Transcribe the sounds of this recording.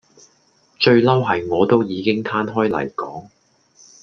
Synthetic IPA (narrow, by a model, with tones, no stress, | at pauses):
t͡ʃɵ˧ɥlɐ˥wɦɐ˨jŋɔː˨˧t̪o˥wjiː˨˧kɪ˥ŋt̪ʰaː˥nɦɔː˥jlɐ̰˨˩jkɔː˨˥ŋ